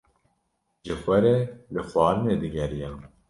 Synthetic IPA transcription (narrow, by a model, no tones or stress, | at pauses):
ʒɨfɛɾeːlɨfɑːɾɨneːd̪ɨɡɛɾijɛ